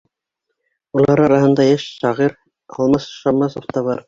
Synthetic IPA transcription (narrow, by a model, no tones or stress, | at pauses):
ulˠɑɾɑɾɑɦɤ̆nd̪ɑjæʃʃɑʁiɾ | ɑ̰lˠmɑsʃɑmːɑsoft̪ɑβɑɾ